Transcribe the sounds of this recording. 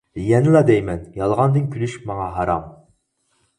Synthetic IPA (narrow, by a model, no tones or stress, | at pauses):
jɛnɨlˠɑd̪ɛjmɛnjɑlˠʁɑnd̪ɨnkʲʰylyʃmɑŋɑɦɑɾɑ̰m